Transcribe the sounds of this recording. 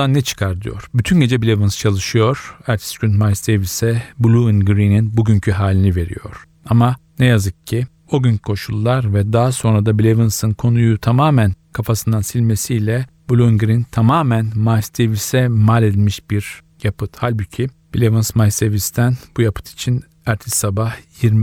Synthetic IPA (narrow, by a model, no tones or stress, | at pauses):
anːɛt͡ʃʰɯ̥kʰaɾt̪ʰɯjo̞̰ɾ̥byt̪ʰynɟe̞d͡ʒɛbilʲevɯnst͡ʃʰalˠɯʃɯjo̞ɾ̥æɾt͡ʃ̪ʰi̥sɟynmajsd̪evisɛbulʲˠuinɡɾininbuɟyɲcʰyɦaːlʲinive̞ɾḭjo̞̰ɾ̥ | amanɛjazɯkcʰːi | o̞ɟynkʰo̞ʃulˠːaɾvɛd̪aːaso̞nɾad̪abilʲevɯnsɯnkʰo̞nujut̪ʰamaːmænkʰafasɯnd̪ansilʲme̞sijlʲɛ | b̥ulʲˠuinɡɾint̪ʰamaːmænmajsd̪evisɛmalʲed̪ilʲmiʃb̥iɾ | japʰɯt̪halʲbucʰi | b̥ilʲevɯnsmajsd̪evist̪ʰænbujapʰɯ̥t̪ʰi̥t͡ʃʰin | æɾt̪ʰissːabahjiɾm